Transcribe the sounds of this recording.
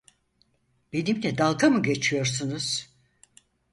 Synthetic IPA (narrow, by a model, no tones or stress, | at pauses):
b̥enimlɛd̪alˠkʰamɯɟe̞t͡ʃʰijo̞ɾsunuz̥